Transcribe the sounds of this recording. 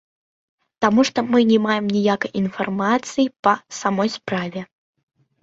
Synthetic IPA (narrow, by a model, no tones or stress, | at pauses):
t̪amuʂt̪ɔmɨnʲɛmajɛmnʲijakɐjʔinfarmat̪sɨjipɐsamɔjspɾavʲɛ